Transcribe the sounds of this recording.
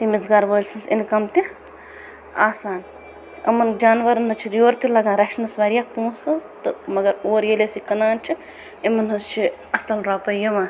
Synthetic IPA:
t̪imizɡaːɾbəːlʲsʰɐnsḭnkɐmt̪i | a̰ːsaːn | ɐ̰mɐnd͡ʒaːnʋɐɾɐnɐt͡ʃʰiɾjoːɾt̪ilɐɡãːɾɐʃnɐsʋɐɾijaːpũːsɐzt̪ɨmɐɡɐɾoːɾjelesikɐnaːnt͡ʃʰi | emɐnɦɐzt͡ʃʰiɐsɐlɾaːpɐjɐmãː

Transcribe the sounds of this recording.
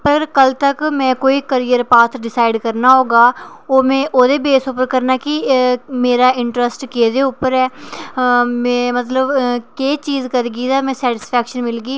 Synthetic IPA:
pəɾəɡəɾkəlt̪əkmɛ̃ːkoːiːkəɾijəɾpaːt̪ʰɖɪsaːɪɖkəɾnaːɦoːɡaː | oːmɛ̃ːʔoːd̪eːbeːsʊpəɾkəɾnaːkɪmeːɾaːɪɳʈɾəsʈkeːd̪eːʊpəɾɛː | mɛ̃ːmət̪ləbkeːt͡ʃiːzkəɾɡiːd̪aːmɛ̃ːsɛːʈɪspʰɛːkʃənmɪlɡiː

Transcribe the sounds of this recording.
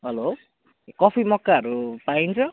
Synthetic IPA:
ɦʌlo | kɔpʰimɔkːaʌɾupaint͡sʰʌ

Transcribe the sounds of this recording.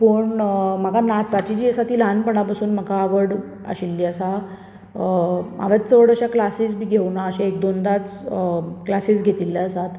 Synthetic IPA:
pəɳm̤əkanat͡sat͡ɕid͡ʑiːəsat̪iːlanpəɳapasuːnm̤əkaːʋəɽ | ə̰ɕilːiːəsa | ma̰ʋat͡s̪t͡səʋəɽəɕjaklasiːs̬biːɡʱewnaəɕeek̚d̪ond̪at͡s | klasiːsɡʱet̪ilːeəsat̪

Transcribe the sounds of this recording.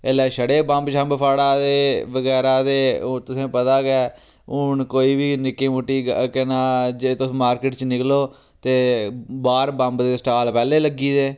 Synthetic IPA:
elaːʃəɽeːbə̃mbt͡ʃʰə̃mbpʰaːɽaːd̪eːʋəɡɛːɾaːd̪eːt̪ʊsẽːpət̪aːɡɛː | ʊɳkoːiːbiːnɪkːẽːmʊʈːiːɡkənãːd͡ʒet̪ʊmaːɾkɪʈt͡ʃnɪkloː | t̪eːbaːɾbə̃mbd̪eːsʈaːlpɛːleːləɡiːd̪eː

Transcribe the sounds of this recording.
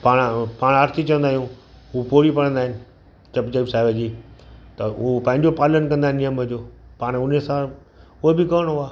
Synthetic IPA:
paːɽ̃paːɽ̃əɾt̪it͡ɕɐʋə̃nd̪aːɦijũ | ɦupoːɾipɐɽə̃nd̪aːɦɪnɪ̆ | t͡ɕɐbd͡ʑəbsaːɦɪʋed͡ʑiːt̪ɐʊpɐ̃ɦɪ̃ɲd͡ʑopaːlənkɐ̃nd̪aɦɪ̃nijəmd͡ʑoːpaːɽ̃ʊnesã | ʊɦebɪkɐəɽ̃ɦʊaː

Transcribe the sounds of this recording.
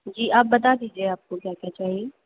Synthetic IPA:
d͡ʒiːʔaːp̚bəd̪aːd̪iːd͡ʒeːaːp̚kõkjaːkɪjaːt͡ʃaːɦie

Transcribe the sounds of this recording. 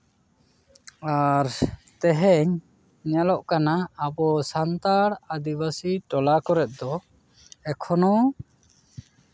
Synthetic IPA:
aɾt̪ɛɦɛɲ | ɲalɔʔkanaːbɔsant̪aɽad̪ibasiʈɔlakɔɾɛt̪̚d̪ɔ | ɛkʰɔnɔ

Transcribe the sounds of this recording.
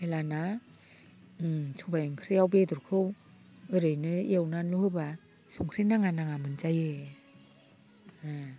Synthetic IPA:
elana | sʰubajɯŋkʰɾijawbeduɾkʰɯw | ɯɾɯjnɯiewnanlohɯba | suŋkʰɾinaŋanaŋamɯnzajɯ | a

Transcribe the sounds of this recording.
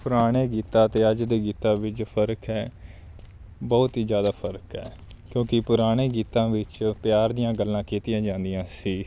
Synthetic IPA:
pʊɾaːɽ̃eːɡiːt̪ãːt̪eːəd͡ʒd̪eːɡiːt̪ãːʋɪt͡ʃpʰəɾəkɦɛː | bɔːʊt̪ɦiːzjaːd̪aːpʰəɾkɦɛː | kjõːkɪpʊɾaːɽ̃eːɡiːt̪ãːʋɪt͡ʃpɪjaːɾd̪ɪjãːɡəlːãːkiːt̪ɪjãːd͡ʒãːnd̪ɪjãːsiː

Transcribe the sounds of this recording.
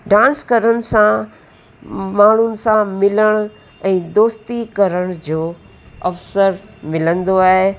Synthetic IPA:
ɖãːnskɐɾəñ̆sã | maːɳ̤ʊnɪ̆sãmɪləɽ̃ʊ | ɛ̃ːd̪oːst̪ikɐɾəɽ̃d͡ʑoː | ɐfsəɾmɪlə̃nd̪oaːɦe

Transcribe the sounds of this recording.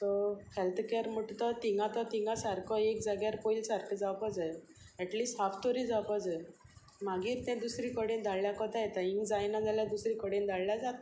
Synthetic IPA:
t̪ɔfɛlt̪keɾm̤əʈt̪ɔt̪iŋɡat̪ɔt̪iŋɡasaɾkʰɔekd͡zaɡjaɾpoilsaɾkʰəd͡zawpɔd͡zə | ɛʈliːsʈɦaft̪oɾid͡zawpəd͡zə | maɡiːɾt̪ɛ̃d̪usɾikɔɽẽnd̪ʱaɭljakɔt̪ajɛt̪aiŋɡd͡zajnad͡zaljad̪usɾikɔɽend̪ʱaɭljad͡zat̪

